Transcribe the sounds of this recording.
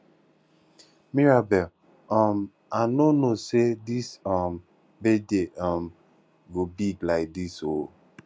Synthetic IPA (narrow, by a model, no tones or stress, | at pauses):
miɹabɛl | ɔm | anonosedisɔm | bedeʔɔm̩ | ɡobiɡlaɪk̚diso